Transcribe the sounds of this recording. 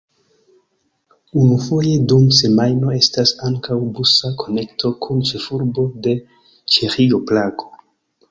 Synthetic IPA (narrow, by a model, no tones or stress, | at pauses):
unufo̞je̞dumse̞majno̞e̞stasaŋkawbusakʰo̞ne̞ktʰo̞kʰunt͡ʃe̞fuɾbo̞de̞ | t͡ʃe̞xioplaɡo